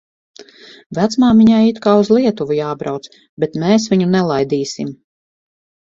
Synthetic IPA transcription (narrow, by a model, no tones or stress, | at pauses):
væt̪smaːmiɲaːit̪kaːuzlˠiɛt̪uvujaːbɾawt̪s | bet̪mɛːs̬viɲunɛlˠajd̪iːsḭm